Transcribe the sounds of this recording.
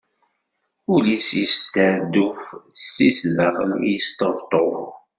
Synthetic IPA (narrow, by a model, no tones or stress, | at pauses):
ulisjist̪əʕd̪ːufsːisləχə̰ljəst̪əvt̪ˤo